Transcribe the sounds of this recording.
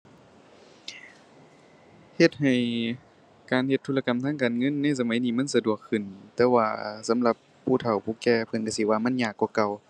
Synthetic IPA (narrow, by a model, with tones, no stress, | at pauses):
he˧t̪̚ha˨˩j | kaː˨˩nhe˧t̪ʰːu˧˨la˧ka˨mt̪ʰaː˧˥˨ŋkaː˨˩nŋɤ˧˥˨nːa˧˥˨jsa˧ma˨˦jniː˧˩ma˧˥˨nsa˧du˨˩əkʰːɯ˧˩nt̪ɛː˧˦waː˧˩sa˨˦mla˧pʰːuː˧˩t̪ʰa˨˩wpʰuː˧˩kɛː˧˩pʰɤ˧˨nka˧˩si˧˨waː˧ma˧˥˨nɲaː˧˩kːɔː˧˩ka˧˩w